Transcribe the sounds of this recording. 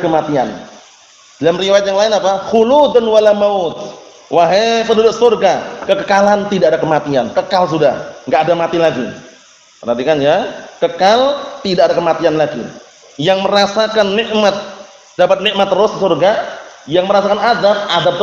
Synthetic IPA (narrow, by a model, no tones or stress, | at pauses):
kəmat̪ia̰n | dalamriwajat̪̚jaŋlaɪnapaxulud̪anwalamaʊt̪̚ | waɦepənudʊk̚surɡakəkəkalant̪idaadakəmat̪iankəkals̬uda̰hŋɡaʔːdamat̪ilaɡḭ | tənant̪ikanjakəkalt̪idaʔadakəmat̪ianlaɡḭ | jaŋməɾasakanːɪʔmat̪̚ | d̥apat̪̚nɪʔmat̪ːəɾʊsəsurɡajaŋməɾasakanadap̚ʔad̪ab̚t̪